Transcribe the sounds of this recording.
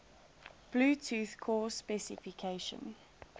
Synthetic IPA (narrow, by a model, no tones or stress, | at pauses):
b̥luːtʰuːθkʰɔːsːpɛsɪfɪkʰeɪʃə̰̃n